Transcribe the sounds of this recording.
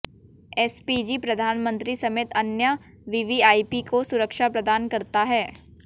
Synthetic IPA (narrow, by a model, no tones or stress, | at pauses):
ɛːspid͡ʒipɾɐd̪ʱaːnmə̃nt̪ɾisɐmeːt̪ɐnjə | ʋiʋiaːipikosʊɾəkʃapɾɐd̪aːnkɐɾt̪aɦɛː